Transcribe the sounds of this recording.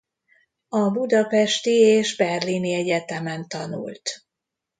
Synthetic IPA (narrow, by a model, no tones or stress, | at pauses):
ɒbud̪ɒpɛʃt̪ieːʒbɛrliniɛɟɛt̪ɛmɛnt̪ɒnṵlt̪